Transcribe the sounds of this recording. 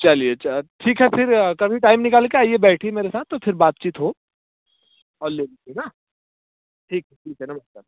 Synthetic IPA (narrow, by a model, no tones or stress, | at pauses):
t͡ʃɐlieʈʰiːkɦɛfʰɪɾkɐbʱiʈaːɪmnɪkaːlkeaːijebɛːʈʰiemeːɾesaːt̪t̪ːofʰɪɾbaːt̪̚t͡ʃiːt̪ɦo | ɔːɾleːlkena | ʈʰiːkɦɛʈʰiːkɦɛnabɐɾka